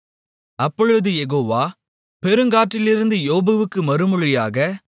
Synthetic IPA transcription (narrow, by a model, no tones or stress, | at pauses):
ɐpːɔɻɯðɯjɛɣoːʋaː | pɛɾɯŋɡaːʈːɪlɪɾɯnd̪ɯjoːbɐʋɯkːɯmɐɾɯmɯɻɪjaːɣɐ